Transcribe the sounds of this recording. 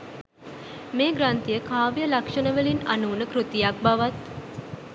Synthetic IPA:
meːɡɾant̪ijəkaːʋijəlakʂənəʋelinanuːnəkɾut̪ijak̚baʋat̪

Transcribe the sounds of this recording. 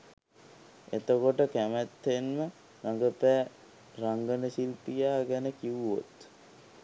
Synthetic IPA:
et̪əkoʈəkæmæt̪ːenmə | raŋɡəpæː | raŋɡənəsilpijaːɡænəkiʋuo̰t̪

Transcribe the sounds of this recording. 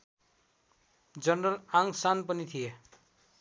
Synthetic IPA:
d͡zʌnrʌlaŋsanpʌnit̪ʰije

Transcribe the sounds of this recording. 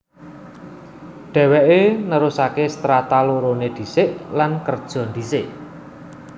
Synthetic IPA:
ɖ̪̥ɛ̤wɛʔenəɾusakest̪ɾat̪aloɾoned̪̥i̤sɪʔlankərd̥ʒ̥ɔ̤nd̪̥isɪʔ

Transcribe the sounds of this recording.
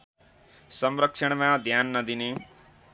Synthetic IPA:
sʌmɾəkʃʰəɽ̃mãd̪ʱjaːnːʌd̪ine

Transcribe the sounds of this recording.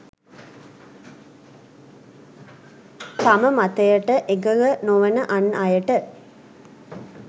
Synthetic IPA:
t̪aməmat̪əjəʈəʔeɡələnoʋənəʔanajəʈə

